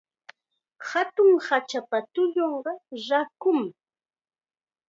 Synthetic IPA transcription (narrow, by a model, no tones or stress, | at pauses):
hat̪ʊŋhat͡ʃapat̪ʊʎoɴɢɑɾakʊm